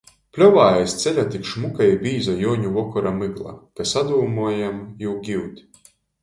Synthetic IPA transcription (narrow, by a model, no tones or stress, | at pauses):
plʲɔvaːjajst̪sʲɛlʲat̪ikʃmukajbʲiːzɔjɔːɲʲuvɔkɔɾamɨɡlˠa̰kasad̪uːmuɔjamjuwɡʲiwt̪ʲ